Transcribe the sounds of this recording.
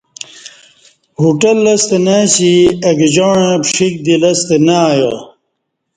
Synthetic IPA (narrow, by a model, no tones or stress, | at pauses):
huʈɐlːɐst̪enaɕiɐɡd͡ʑaːɳẽpʂik̚d̪ilɐst̪enajo̰